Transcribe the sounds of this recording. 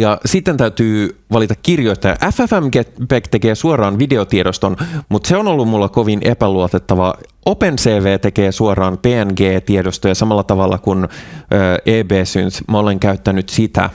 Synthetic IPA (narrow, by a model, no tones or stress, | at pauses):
jɑsit̪ːent̪æyt̪yːʋɑlit̪ɑkkːirjoist̪ɑjɑ̰ʔæfæfæmɡet̪pækt̪e̞keːsuorɑːnʋide̞ot̪iedost̪onmut̪seonolːummulːɑko̞ʋinʔepæluot̪et̪ːɑʋɑ | openseːʋeːt̪e̞keːsuorɑːnpeːænɡeːt̪iedost̪ojɑsɑmɑlːɑt̪ɑʋɑlːɑkunøːʔeːbeːsynt̪mæoleŋkæyt̪ːænyt̪sit̪æ̰